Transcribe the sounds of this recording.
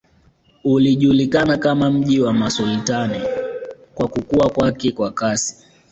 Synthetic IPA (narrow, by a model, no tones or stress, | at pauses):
uliʄulikanakamam̩ʄiwamasultani | kwakukuakwakɛkwakasi̥